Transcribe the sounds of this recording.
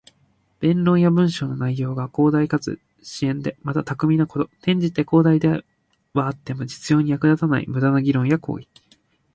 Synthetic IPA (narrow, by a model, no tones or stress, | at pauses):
b̥ẽ̞nɾõ̞ɰ̃jabɯ̟̃ɰ̃ɕo̞ːno̞naijo̞ːɡako̞ːd̪aikat͡sɨ̰ | ɕiẽ̞nd̪e̞mat̪at̪akɯ̟mʲinoko̞t̪o̞t̪ẽ̞ɲ̟d͡ʑit̪e̞ko̞ːd̪aid̪e | βaːt̪ːe̞mo̞d͡ʑi̥t͡sɨjo̞ːɲ̟ijakɯ̟d̪at̪anaḭmɯ̟d̪anoɡʲiɾõ̞ɰ̃jakʰo̞̰ːi